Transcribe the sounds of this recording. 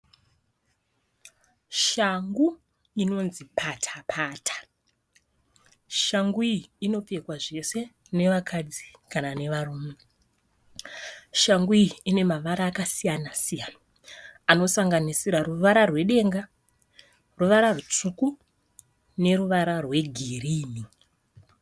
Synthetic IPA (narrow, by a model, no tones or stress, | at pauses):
ʃaŋɡu | ino̞nzipʰatʰḁpʰaːtʰḁ | ʃaŋɡuiiino̞p͡fe̞kwaʐe̞se̞ | ne̞ʋakʰad͡zi̥kanane̞ʋaruːme | ʃaŋɡuiːne̞maʋaɾaːkasijanasijana | ano̞saŋɡanisiɾaruʋaɾarwe̞ɗe̞ːŋɡa | ruʋaɾarut͡ʂuku | ne̞ruʋaɾarwe̞ɡʱiriːmi